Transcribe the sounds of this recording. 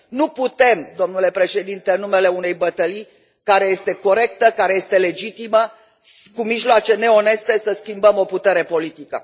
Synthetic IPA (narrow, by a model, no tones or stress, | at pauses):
nuput̪e̞md̪o̞mnule̞pɾe̞ʃe̞d̪int̪eɨnːume̞le̞unejbət̪əli | kaɾe̞je̞st̪e̞ko̞ɾe̞k̚t̪əkaɾeje̞st̪e̞le̞d͡ʒit̪imə | kumiʒloat͡ʃe̞ne̞o̞ne̞st̪e̞səskʲimbəmo̞put̪e̞ɾe̞po̞lit̪ikə̰